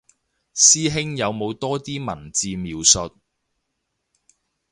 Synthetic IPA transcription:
siː˥ɦɪ˥ŋjɐ˨˧wmo˨˧wt̪ɔː˥t̪iː˥mɐ̰˨˩nt͡siː˧miː˨˧wsɵ˨t̚

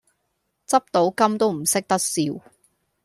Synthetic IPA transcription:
t͡sɐ˥p̚t̪o˨˥wkɐ˥mt̪o˥wm̩˨˩sɪ˥k̚t̪ɐ˥k̚siː˨˧w

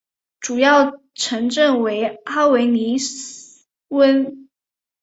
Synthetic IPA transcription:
ʈ͡ʂu˨˩jɑ˥˩ʊ | ʈ͡ʂʰə˧˥ŋʈ͡ʂə˥˩ŋwe˧˥ɪa˥we˧˥ɪni˧˥s̩˨ | wə˥n

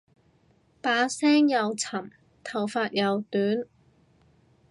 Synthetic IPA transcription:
paː˨˥sɛː˥ŋjɐ˨˧wt͡sʰɐ˨˩m | t̪ʰɐ˨˩wfaː˧t̚jɐ˨˧wt̪yː˨˥n

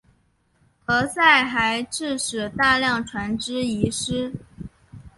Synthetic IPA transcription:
xɤ˧˥sa˥˩ɪxa˧˥ɪʈ͡ʂɻ̩˥˩ʂɻ̩˨˩t̪a˥˧ljɑ˥˩ŋʈ͡ʂʰwa˧˥nʈ͡ʂɻ̩˥i˧˥ʂɻ̩˥

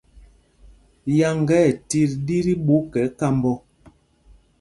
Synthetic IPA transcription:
ja˨ŋɡɛ˦˨ti˦ɾdi˦ɾi˦ɓu˨˦kɛ˨˦ka˦mbɔ˦

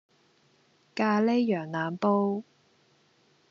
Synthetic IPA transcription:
kaː˧le˥jjœː˨˩ŋnaː˨˧mpo˥w

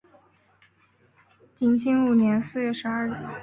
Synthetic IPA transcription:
t͡ɕi˧˩ŋɕi˥ŋu˨˩njɛ˧˥nsɹ̩˥˧ɥɛ˥˩ʂɻ̩˧˥ɐ˞˥˩˧

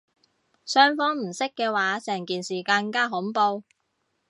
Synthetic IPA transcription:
sœː˥ŋfɔː˥ŋm̩˨˩sɪ˥kːɛː˧waː˨˥sɛː˨˩ŋkiː˨˩nsiː˨˩ka˧ŋkaː˥ɦʊ˨˥ŋpo˧w

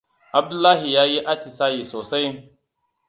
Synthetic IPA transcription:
ʔa˨b̚du˦lːaː˦ɦi˨jaː˦ji˦ʔa˦ti˨sa˦ji˨soː˨sa˦j

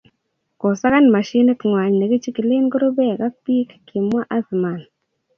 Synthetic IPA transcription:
ko˨sa˦ka˦nma˨ʃi˦nɪ˦tŋwa˨ɲne˨ki˦t͡ʃi˦ki˨le˦nɡo˦ɾo˦bɛ˦˨ka˦k̚pi˦kkːi˨mwa˦ʔa˦sma˨n

